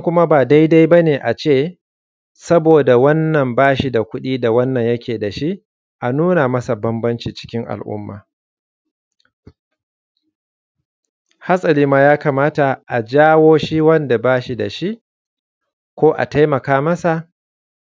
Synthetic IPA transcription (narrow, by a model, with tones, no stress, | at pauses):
ŋkʷʊ˦ma˦baː˨da˦jda˦jbɐ˦neː˨ʔa˨t͡ʃeː˦˨ | sɐ˦boː˨da˨wɐ˦nːɐ˨mbaː˦ʃi˦da˨kʷʊ˦ɗiː˦da˨wɐ˦nːɐ˨ɲjɐ˦kʲeː˨da˨ʃi˦ʔ | ʔa˨nuː˦na˨mɐ˦sa˨bɐ˦mbɐ˦nt͡ʃiː˨t͡ʃɪ̥˦kʲɪ˦ŋʔa̰˨lʔʊ̰˦mːa̰ː˨ | ha˦sʼɐ˨liː˦maː˦jaː˦kaː˨maː˦ta˨ʔa˨d͡ʒaː˦woː˦ʃi˦wɐ˦nda˨baː˦ʃi˨da̰˨ʃi˦ʔ | kʷoː˦ʔa̰˨ta˦jmɐ˨kaː˦mɐ˦sa˨ʔ